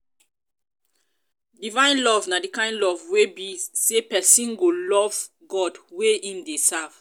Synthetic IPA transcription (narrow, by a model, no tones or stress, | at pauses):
divãɪj̃nlɔvnadikãɪ̃ndlɔvwebisepɛsĩnɡolɔv | ɡɔdweʔĩndesav̥